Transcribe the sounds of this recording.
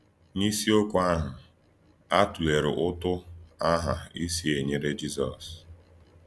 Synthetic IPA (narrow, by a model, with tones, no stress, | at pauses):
ni˦si˦o˦kʷʊ˦a˦ɦʊ˨ | a˦tu˨le˨ɾʊ˨ʔʊ˦tʊ˦a˦ɦa˨i˦si˦e˨ɲe˦ɾe˦d͡ʒi˦zɔ̰˨s